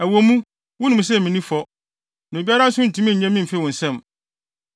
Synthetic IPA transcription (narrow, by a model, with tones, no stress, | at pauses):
æ˨wo˨mũ˦ | wʊ̃˦nũ˨m˨s̬ɛ˦˨mĩ˨nĩ˦fɔ˦ | na˨bi˦a˦ɾã˦n̩˦sʊ̃˦n̩˨tʰĩ˦mĩ˦ɲ̩˨ɲã˦mĩ˦m̩˨fe˦˨ɔ̃˨n̩˨sɛ̃˦˨m